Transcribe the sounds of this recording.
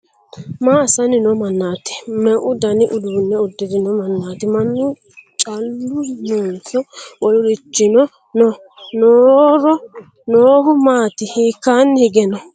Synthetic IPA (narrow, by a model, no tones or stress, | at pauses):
maːsɐnɪnɔmɐnːaːt̪ɪ̥mɛʔʊd̪ɐnɪʔʊd̪unːɛʊd̪ːɪd̪ɪnɔmɐnːaːt̪ɪmɐnːʊ | t͡ʃʼɐlːʊnonsɔwɔlʊɾɪt͡ʃːɪnɔ | nɔ | noːɾɔ | noːhʊmaːt̪ɪhiːkːaːnːhɪɡɛnɔ